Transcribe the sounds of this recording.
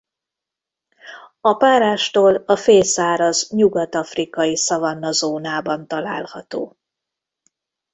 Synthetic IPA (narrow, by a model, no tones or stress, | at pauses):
ɒpaːɾaːʃt̪oːlɒfeːlsaːɾɒzɲuɡɒt̪ɒfrikɒjisɒvɒnːɒzoːnaːbɒnt̪ɒlaːlhɒt̪oː